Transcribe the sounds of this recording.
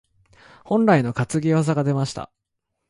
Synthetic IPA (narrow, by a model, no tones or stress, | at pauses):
hõ̞nɾaino̞kat͡sɨɡʲios̬aɡad̪e̞maɕi̥t̪a̰